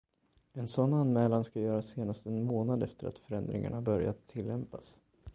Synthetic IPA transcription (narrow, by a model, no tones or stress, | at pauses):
ɛnsɔnːanːmɛːlanskajœːɾaseːnast̪ɛnmoːnad̪ɛft̪əɾa̰t̪fœɾɛnd̪ɾɪ̰ŋa̰ɳabœɾja̰t̪ʰːɪlːɛmpas